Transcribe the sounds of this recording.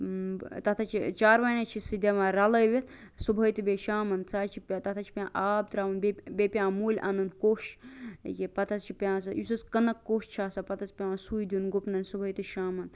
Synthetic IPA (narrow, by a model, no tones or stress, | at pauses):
t̪ɐt̪ʰɐt͡ʃʰit͡ʃaːɾʋaːnat͡ʃʰisid̪ʲɐmãɾɐlɐjʋet̪ʰsubʱɐjt̪ɨbeʃaːmɐnt͡saːt͡ʃʰipʲãt̪ɐt̪ʰat͡ʃʰi̥pʲjãːʔaːb̚t̪ɾaːʋɐnbebepʲjãːmuːlʲʔa̰nɐnkoːʃjipɐt̪ʰɐst͡ʃʰipʲãːsɐjisuskɐnɐkːoːʃt͡ʃʰaːsɐpɐt̪ʰɐspʲjãsuːjd̪junɡopnɐnʲsubʱɐjt̪ɨʃaːmɐn